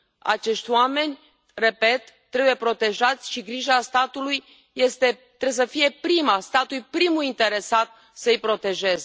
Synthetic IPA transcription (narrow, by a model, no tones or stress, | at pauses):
a̰t͡ʃe̞ʃt̪ʲwame̞nʲ | re̞pe̞t̪ːɾebujepɾo̞t̪e̞ʒat̪sʲʃiɡɾiʒast̪at̪ulujː | e̞st̪e̞t̪ːɾees̬əfije̞pɾimast̪at̪ujpɾimuint̪e̞ɾe̞sat̪ | səɨjpɾo̞t̪e̞ʒe̞ze